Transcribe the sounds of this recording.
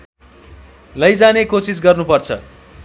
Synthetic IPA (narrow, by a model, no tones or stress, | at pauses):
lʌjd͡zanekosis̬ɡʌrnupʌrt͡sʰʌ̰